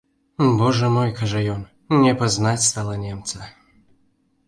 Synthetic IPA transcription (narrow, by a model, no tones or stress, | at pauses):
bɔʐɛmojkaʐɛjɔn | nʲɛpɐznatʲst̪alˠɐnʲemt̪sə